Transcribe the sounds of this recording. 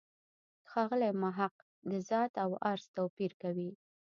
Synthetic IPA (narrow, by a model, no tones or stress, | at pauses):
xɑɣəlajmaɦaq | d̪əzɑt̪awaɾz̥t̪awpiɾkawi